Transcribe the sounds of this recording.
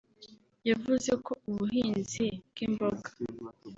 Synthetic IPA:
javuze̞kʰo̞uβuɦiːnzibɡ̥imboɡḁ

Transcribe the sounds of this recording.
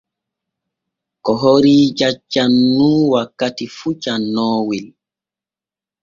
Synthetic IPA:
kɔɦoɾiːd͡ʒat͡ʃːanːuːwakːatifut͡ʃanːɔːwil

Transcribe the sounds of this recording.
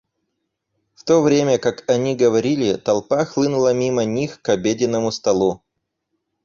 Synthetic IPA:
ft̪ovɾʲemʲəkakɐnʲiɡəvɐɾʲilʲɪt̪ɐlˠpaxlˠɨnʊlˠəmʲimənʲixkɐbʲedʲɪnːəmʊst̪ɐlˠu

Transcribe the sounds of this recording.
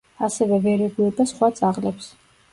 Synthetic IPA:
asɛvɛvɛɾɛɡuɛbasχwat̪sʼaʁlɛps

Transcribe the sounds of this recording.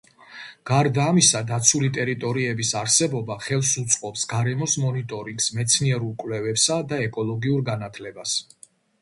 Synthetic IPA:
ɡ̥aɾd̪aːmisad̪at̪sʰulit̪ʼɛɾit̪ʼɔɾiɛbisaɾsɛbɔbaχɛlˠsut̪sʼqʼɔpsɡaɾɛmɔsmɔnit̪ʼɔɾiŋɡsmɛt̪sʰniɛɾulˠkʼwlɛvɛpsad̪aɛkʼɔlˠɔɡiuɾɡanat̪ʰlɛbas

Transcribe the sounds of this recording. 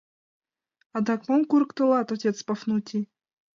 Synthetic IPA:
ad̪akmomkuɾkt̪ɨ̆lˠat̪ɔtʲet̪spɐfnut̪ʲʰi

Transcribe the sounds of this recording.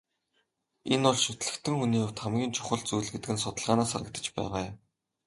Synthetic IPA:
enʊɮʃɵt̪̆ɮɘ̆kt̪ʰɘ̆ŋxuniːʊwt̪χamɡʲiːnt͡ɕʰʊ̥χə̆ɮt͡sujɮɡet̪ɘ̆kɘ̆nsʊt̪ə̆ɮʁaːnaːsaɾə̆k̚t̪ə̥̆t͡ɕpæ̰ːʁaː

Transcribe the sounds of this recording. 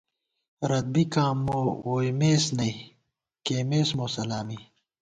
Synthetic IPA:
ɾɐd̪̚bikãːmːoːwoːjmeːsnɐi | keːmeːsmoːsɐlaːmi

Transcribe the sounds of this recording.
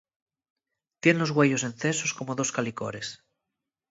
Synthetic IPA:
t̪je̞nlo̞zɣwe̞ʝo̞s̬e̞nθe̞so̞sko̞moðo̞skaliko̞̰ɾe̞s

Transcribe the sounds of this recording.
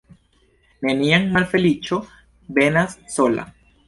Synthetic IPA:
neniaŋmalfe̞lit͡ʃo̞ | be̞nasːo̞la̰

